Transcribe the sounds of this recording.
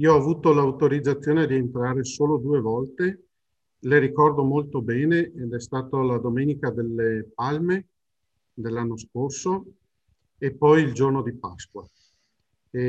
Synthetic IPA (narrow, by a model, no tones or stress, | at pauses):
ioɔavuːt̪olawt̪oɾid̪zːat̪sːjoːned̪ient̪ɾaːɾesoːlod̪uːevɔlt̪e | leɾikɔrd̪omolt̪obɛːneːd̪ɛst̪aːt̪olad̪omeːnikad̪elːepalme | d̪elːanːoskorso | epːɔjild͡ʒornod̪ipaskwa